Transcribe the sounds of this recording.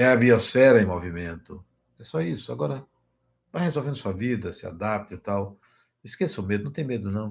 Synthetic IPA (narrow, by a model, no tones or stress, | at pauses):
ɛɐbiosfɛɾɐẽmovimẽnt̪ʊ | ɛsɔisʊaɡɔɾɐ | vajhezowvẽd̪ʊsuɐvid̪ɐsɪa̰d̪ap̚t̪ɐt̪aw | ɪskesɐʊmed̪ʊñt̪ẽj̃med̪ʊnɐ̃w̃